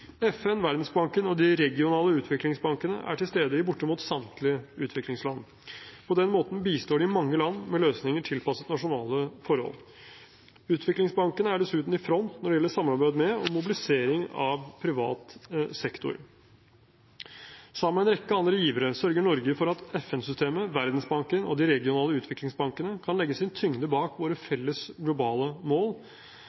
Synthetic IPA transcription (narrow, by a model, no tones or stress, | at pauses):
ɛfɛnʋæɾd̪n̩sbɑŋkənɔd̪ɪɾɛɡɪʊnɑːləʉːt̪ʰʋɪklɪŋsbɑŋkənə̰ʔæ̰ʈʰɪlst̪eːd̪əɪbʊʈːəmuːt̪sɑmt̪lɪəʉːt̪ʰʋɪklɪŋslɑn | pʰɔd̪ɛnmoːt̪n̩biːst̪oːɖɪɪmɑŋːəlɑnːmɛløːsnɪŋəʈʰɪlpɑsət̪nɑʂʊnɑːləfɔɾhɔ̰l | ʉːt̪ʰʋɪklɪŋsbɑŋkənəæɖɛsʉːt̪n̩ɪfɾɔnt̪nɔɖɛjɛlːəʂɑmːɑɾbæɪd̪mɛɔmʊbɪlɪseːɾɪŋɑʋpʰɾɪʋɑ̰ːt̪sɛkt̪ʊ̰ɾ | sɑməːɛnɾɛkːəɑnd̪ɾəjiːʋəɾəsœɾɡəɳɔɾɡəfɔɾɑt̪ɛfɛnsʏst̪eːməʋæɾd̪nsbɑŋkənɔ̰d̪ɪɾɛɡɪʊnɑːləʉːt̪ʰʋɪklɪŋsbɑŋkənəkʰɑnlɛɡːəsɪnt̪ʰʏŋd̪əbɑːkʋoːɾəfɛlːəsɡlʊbɑːləmoːl